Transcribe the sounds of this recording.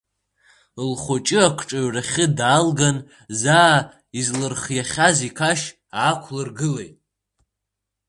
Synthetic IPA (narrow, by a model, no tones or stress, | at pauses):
lχʷot͡ʃʼɨakʷʰʈ͡ʂʼaɥraχʲɨdaːlɡan | zaː | izlɨrχjaχʲazikʰaʃ | aːkʷʰlɨrɡɨlejtʼ